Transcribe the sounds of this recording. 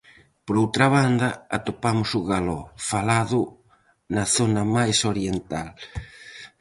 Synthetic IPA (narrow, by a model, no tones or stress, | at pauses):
poɾowt̪ɾaβand̪ɐa̰t̪opamʊsʊɣalɔfalaðʊ | naθonɐmajsoɾjent̪al